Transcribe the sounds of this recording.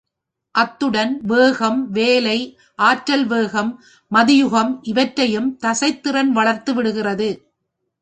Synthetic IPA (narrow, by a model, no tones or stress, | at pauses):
ʔɐt̪ːɯɽɐnʋeːɣɐmʋeːlɐɪ | ʔaːʈɾɐlʋeːɣɐmː | ɐðɪjʊɣɐmʔɪʋɐʈɾɐjɯmt̪ɐsɐɪt̪ːɪrɐnʋɐɭɐɾt̪ɯʋɪɽɯɣɪrɐðɯ